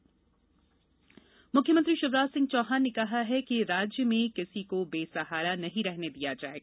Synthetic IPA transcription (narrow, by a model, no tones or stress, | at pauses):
mʊkʰːjəmə̃nt̪ɾiʃʊʋɾaːd͡ʒsɪ̃ŋɡ̚t͡ʃɔːɦaːnnekɐɦaɦɛkeɾaːd͡ʒjəmẽkɪsikobeːsɐɦaːɾanɐɦĩɾɛɦned̪ijad͡ʒa̰ːeɡa